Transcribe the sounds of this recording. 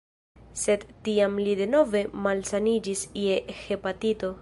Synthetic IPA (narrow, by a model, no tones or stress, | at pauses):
se̞dtːiamlide̞no̞ve̞malsanid͡ʒisiexe̞patito̞